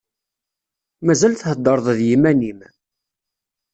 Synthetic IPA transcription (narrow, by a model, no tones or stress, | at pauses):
mæzælθhəd̪ːəɾˤðˤðjimænim